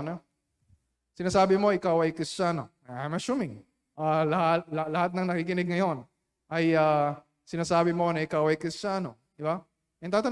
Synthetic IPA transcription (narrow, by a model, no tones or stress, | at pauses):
nɐ | sɪnaːsaːbɪmo̞ʔɪkawɐjkɾɪst͡ʃano̞ | ajmɐsumɪŋ | ʔaːlɐhat̪̚lɐlɐhat̪̚nɐŋnɐkiːkɪnɪɡ̚ŋɐjo̞n | ʔɐjaː | sɪnaːsaːbɪmo̞nɐʔɪkawɐjkɾɪst͡ʃano̞ | d̪ɪba | ʔɐt̪at̪ɐ